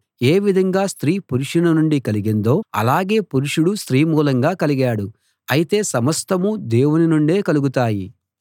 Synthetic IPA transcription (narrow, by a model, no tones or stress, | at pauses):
e̞ːʋid̪ʱɐŋɡaːst̪ɾiːpuɾuʂunɐnuɳɖikɐliɡend̪o̞ːɐ̰laːɡe̞ːpuɾuʂuɽust̪ɾiːmuːlɐŋɡaːkɐliɡaːɽu | ɐjit̪e̞ːsɐmɐst̪ɐmud̪e̞ːwuninuɳɖe̞ːkɐluɡut̪aːji